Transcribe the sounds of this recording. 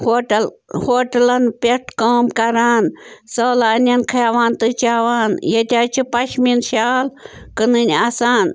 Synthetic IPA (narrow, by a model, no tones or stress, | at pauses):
hoʈɐlhoːʈɐlɐnpeʈʰkaːmkɐɾaːnsəːlaːnʲɐnkʰɐjaːʋaːnt̪ɨt͡ʃʰaːʋaːnjet̪ʲaːt͡ʃʰipɐʃminʃaːlkɨnɨnʲaːsaːn